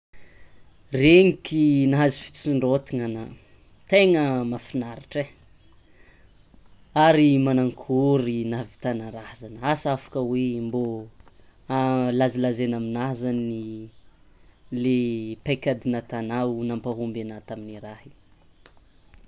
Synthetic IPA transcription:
reŋikʲinaɦazi̥fi̥t̪i̥siɳɖ͡ʐot̪iŋana | t̪eŋəmafinaɾiʈ͡ʂe | aɾimanaŋkʰuɾinavi̥t̪anaɾazanəasafḁkəwembo | alazilazenaminazani | lepajkʲad̪inat̪anawnampaɦumbanat̪aminiɾaɦi

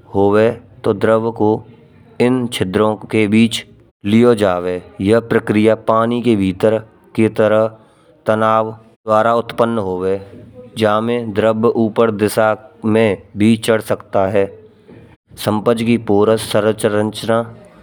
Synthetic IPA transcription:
hoːwet̪oːd̪ɾəbko | ɪnt͡ʃʰɪd̪ɾõkebiːt͡ʃ | lijod͡ʒaːʋeːjɐɦpɾəkɾɪjapaːnikebʱiːt̪əɾ | ket̪əɾəɦ | t̪ənaːʋ | d̪waːɾaʊt̪pənːɦoːweːd͡ʒaːmẽd̪ɾəbʔuːpəɾd̪ɪsamẽbʱiːt͡ʃəɽsəkt̪aɦɛː | sə̃mpəd͡ʒkipoːɾəsəɾt͡ʃəə̃ɲt͡ʃnaː

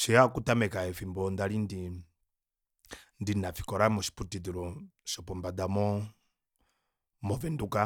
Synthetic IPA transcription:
ʃiakutamɛkaɛfimbɔnd̪alindi | ndinafi̥kɔɾamɔʃi̥putid̪iɾɔʃɔpɔmbad̪amɔ | mɔvɛnduka

